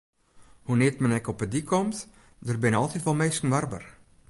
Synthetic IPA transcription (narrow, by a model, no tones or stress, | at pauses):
hunɪətmɛnɛkɔpədikʰɔmt | dərbɪnɔlˠtitʋɔlˠmeːskən̩ʋarbər